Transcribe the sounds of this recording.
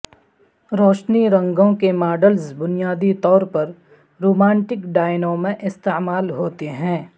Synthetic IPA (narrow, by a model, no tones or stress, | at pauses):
ɾɔːʃniɾɐ̃ŋɡõkemaːɖəlsbʊnijaːd̪it̪ɔːɾpɐɾ | ɾoːmãːɳʈɪkɖaːɪnõmẽʔɪst̪emaːlɦoːt̪eɦɛ̃ː